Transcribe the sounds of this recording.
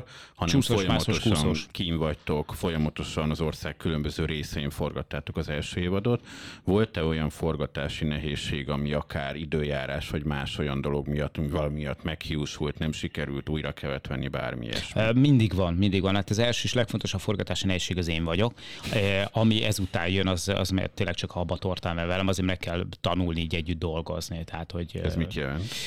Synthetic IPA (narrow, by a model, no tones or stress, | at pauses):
hɒnɛusojɒmːmɒoʃusnoʃkiːɱvɒct̪o̞kfo̞jɒmɒt̪o̞ʃɒnɒzo̞rsaːkːylø̞mbøzøːɾeːsɛeːɱfo̞rɡɒt̪ːaːt̪o̞kɒzɛlʃøːeːvɒd̪ot̪vo̞lt̪ɛo̞jɒɱfo̞rɡɒt̪aːʃinɛɦeːʃːeːɡɒmiɒkaːɾid̪øːjaːɾaːʃʋɒɟmaːʃo̞jɒnd̪o̞lo̞ɡmijɒt̪ːmivɒlɒmijɒt̪ːmɛkhiuʃult̪nɛmʃikɛɾylt̪uːjɾɒkʰɛvɛt̪ʋɛnːiba̰ːrmḭjɛ̰ʃmind̪iɡʋɒnmind̪iɡʋɒnhaːt̪ɒzɛlʃøːiʃlɛkfo̞nt̪oʃɒpfo̞rɡɒt̪aːʃinɛɦeːʃːeːɡɒzeːɱvɒɟo̞k | ɒmiʔɛzut̪aːnjønɒzɒ̰zmɛ̰t̪eːnlːɛkt͡ʃɒkɒɒbɒt̪ort̪aːnmɛvɛlɛmɒzeːmmɛkːɛlt̪ɒnulniiːɟɛɟːyd̪̚d̪o̞lɡo̞̰znit̪ɛɦat̪ho̞ɟɛzmit̪jɛlɛnt̪